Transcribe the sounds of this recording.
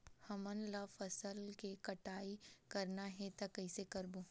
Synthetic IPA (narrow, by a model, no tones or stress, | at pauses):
hɐmənlafɐsəlkekɐʈaːikɐɾnaɦɛt̪ɐkɐɪsekɐɾboː